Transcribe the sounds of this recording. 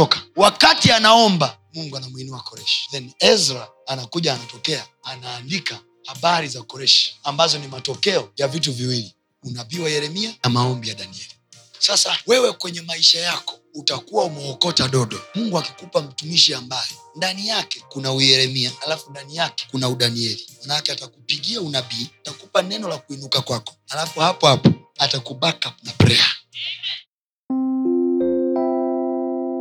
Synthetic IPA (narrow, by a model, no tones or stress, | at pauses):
ɔkḁwakatianaɔmba | muŋɡuanamwinuwakɔɾɛʃi̥ðɛnɛzɾaːnakuʄaːnatɔkɛaanaːndika | haɓaɾizakɔɾɛʃi̥ambazɔnimatɔkɛɔjavituviwili | unaviwajɛɾɛmianamaɔmbijaɗaniɛli | sasawɛwɛkwɛɲɛmaiʃajakɔutakuwaumɛɔkɔtaɗɔɗɔmuŋɡuakikupam̩tumiʃiambajɔ | ndanijakɛkunaujɛɾɛmiaalafundanijakɛ̥kunauɗaniɛlimanakɛatakupiɡiaunabiatakupanɛnɔlakuinukakwakɔ̥alafuhapɔhapɔatakuɓakanapɾɛa